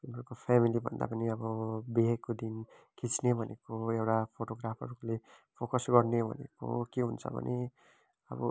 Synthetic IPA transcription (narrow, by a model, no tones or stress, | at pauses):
unʌɾukopʰamilibʱʌ̰nd̪a̰pʌniʌbʌbeɦekːod̪in | kʰit͡snebʱʌnʔekoewʈapʰoʈoɡɾapʰʌ̰ɾuule | pʰokʌsɡʌrnebʱʌ̰nḛko̰keɦunt͡sʰʌ̰bʱʌ̰nʔe | ʌ̰bʌ̰